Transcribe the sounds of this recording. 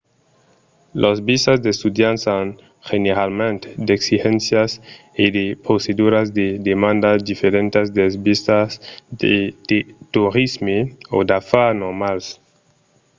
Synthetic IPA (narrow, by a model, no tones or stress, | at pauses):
lʔosbisazd̪est̪ud̪jansan | xeneɾalmẽnt̪d̪eksixẽnsjas | id̪epɾosed̪uɾazd̪ed̪emãnd̪asd̪ifeɾẽnt̪ezd̪esbist̪asd̪ed̪et̪uɾizmeo̰d̪afanoɾmals